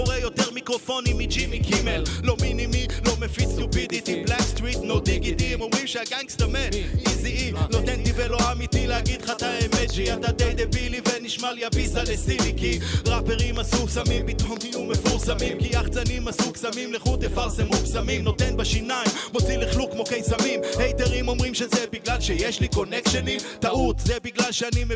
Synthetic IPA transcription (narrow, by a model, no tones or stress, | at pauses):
oʁejo̞t̪eʁmikʁo̞fo̞nimid͡ʒimikʰimellominimilomefit͡st̪upid̪it̪iblakst̪ʁit̪nod̪iɡid̪imomʁimʃeaɡaŋst̪amet̪iziino̞t̪ent̪iveloamit̪ilehaɡid̪χat̪aemet̪t͡ʃiat̪ad̪ejd̪ebiliveniʃmaljabisalesimikiʁapeʁimasusamimpit̪omijumefuʁsamimkiaχt͡sanimasuksamimleχut̪efaʁsemumsamimno̞t̪enbeʃinaimmo̞t͡siliχlukmo̞kejsamimhejt̪eʁimo̞mʁimʃezebiɡlalʃejeʃliko̞nekʃenit̪aʔut̪zebiɡlalʃeanime